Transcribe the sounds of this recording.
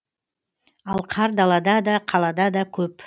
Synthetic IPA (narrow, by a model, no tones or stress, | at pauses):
ɑlˠqʰɑɾd̪ɑlˠɑd̪ɑd̪ɑqʰɑlˠɑd̪ɑd̪ɑkʲʰɵp